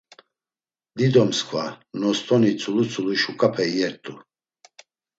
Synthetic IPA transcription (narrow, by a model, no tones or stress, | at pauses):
d̪id̪ɔmskʰwa̰nɔst̪ʼɔnit͡sʰʼulut͡sʰʼuluʃukʼapʰɛjɛɾt̪ʼu